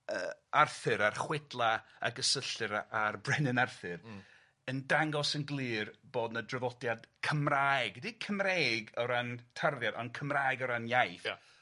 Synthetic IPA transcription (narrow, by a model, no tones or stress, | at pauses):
ə̰ːarθɨɾarχwɛdlˠaa̰ɡəsəɬɨɾaarbrɛnɪnarθɨr | əndaŋɡɔsənɡlˠɨːrb̥oːdnədrəvɔdjad̥kʰəmraɪɡdikʰəmreːɡɔɾantʰarðjadɔnkʰəmraɨɡɔɾanjajθ